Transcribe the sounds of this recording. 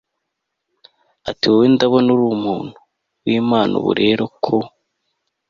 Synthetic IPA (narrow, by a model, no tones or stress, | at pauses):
atiwowindaβonuɾuːmuːn̥hu | wiːmaːnʔṵβṵɾe̞ɾo̞kʰo